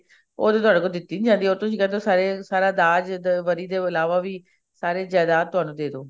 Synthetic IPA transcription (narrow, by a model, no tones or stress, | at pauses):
o̰ːd̪eːt̪ʊɦaːɽeːkod̪ɪt̪ːiːnid͡ʒãːnd̪iːoːɾt̪ʊsĩːkɛ̃nd̪oːsaːɾeːsaːɾaːd̪aːd͡ʒd̪ʋəɾiːd̪eːɪlaːʋaːʋiː | saːɾeːd͡ʒɛːd̪aːt̪ːʊɦaːnũːd̪eːd̪oː